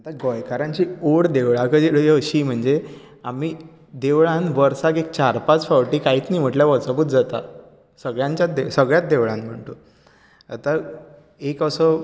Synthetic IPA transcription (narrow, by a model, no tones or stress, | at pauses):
at̪aɡɔjkaɾãɲt͡ɕiːoɽd̪eʋɭakədiɽəɕiːm̤əɳd͡ze | amiː | d̪eʋɭãnʋəɾsakek̚t͡ɕaɾpat͡sfaʋʈiːkaiːt̪niːm̤əʈljaʋəɾt͡səbuːt̪d͡zat̪a̰ | səɡɭjãɲt͡ɕjad̪esəɡɭjat̪̚d̪eʋɭãnm̤əɳt̪o | at̪a | ekəsə